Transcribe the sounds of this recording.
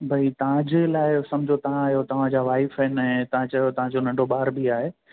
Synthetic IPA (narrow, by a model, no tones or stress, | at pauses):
bʱɐit̪ɐʋ̤ãd͡ʑeːlaːɪsɐmd͡ʑʱot̪ɐʋãaːɦjot̪ɐʋ̤ãd͡ʑaːʋaːɪfɛnɛ̃t̪ɐʋ̤ãt͡ɕɐɦjot̪ɐʋ̤ãd͡ʑonɐ̃ɳɖoɓaːɾbʱiaːɦeː